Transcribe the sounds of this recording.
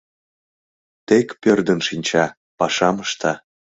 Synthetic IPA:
t̪ekpørd̪ənʃinʲt͡ɕɑ | pɑʃɑməʃt̪ɑ

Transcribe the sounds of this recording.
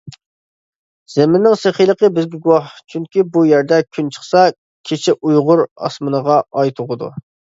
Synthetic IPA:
z̥emɪnːɪŋseχijlˠəqəbɪzɡʲɛɡuwɑht͡ʃʰyŋkʲibujæɾd̪ɛkʲʰynt͡ʃʰə̥χsɑ | kʲʰet͡ʃʰɪʔujʁʊɾɑ̰smɨnəʁɑɑjt̪ʰʊʁəd̪ṵ

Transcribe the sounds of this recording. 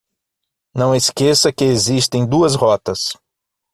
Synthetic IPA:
nɐ̃w̃eskesɐkɪezist̪ẽj̃d̪uɐshɔt̪ɐs

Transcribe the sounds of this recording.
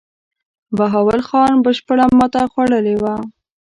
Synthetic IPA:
baɦɑwalxɑnbəʃpəɽamɑt̪axwaɽəlewa

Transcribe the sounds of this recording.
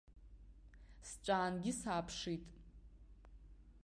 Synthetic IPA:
st͡ʃʷʼaːnɡʲisaːpʰʂitʼ

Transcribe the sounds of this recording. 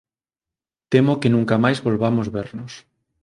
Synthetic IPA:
t̪emokenũŋkamajzβolβamozβeɾnos

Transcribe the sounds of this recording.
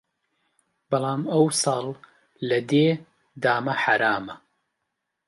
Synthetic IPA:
b̥ɑlˠɑːmɐwsɑːl | lɐd̪eː | d̪aːmɐħaɾaːmɐ

